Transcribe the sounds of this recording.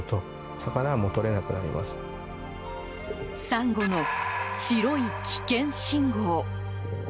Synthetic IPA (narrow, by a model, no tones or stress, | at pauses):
t̪o̞ | sakanamot̪o̞ɾe̞nakɯ̟na̰ɾʲḭma̰sɨ̥ | sãŋɡo̞no̞t͡ɕiɾo̞ikʲʰi̥kẽ̞ɰ̃ɕĩŋɡoː